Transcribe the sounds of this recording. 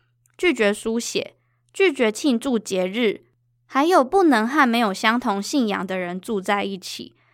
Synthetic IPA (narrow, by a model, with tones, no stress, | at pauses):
t͡ɕy˥˩t͡ɕɥɛ˧˥su˦ɕjɛ̰˨˩˦ | t͡ɕy˥˩t͡ɕɥɛ˧˥t͡ɕʰi˥˧nʈ͡ʂu˥˨˩t͡ɕjɛ˨˥ɻɻ̩˥˩ | xa˧˦ɪjo˨˩ʊpu˥˩nɤ˧˥ŋxa˥˩nme˧˥ɪjo˨˩ʊɕjɑ˥ŋt̪ʰʊ˧˥ŋɕi˥˩njɑ̰˨˩ŋd̪ə˦ɻə˧˦nt͡su˥˧t͡sa˥˧ɪi˥˩t͡ɕʰḭ˨˩˦